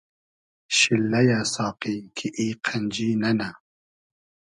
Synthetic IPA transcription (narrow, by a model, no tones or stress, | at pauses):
ʃilːɐjasɑːqikʰiʔiːqʰɐnd͡ʒiːnɐna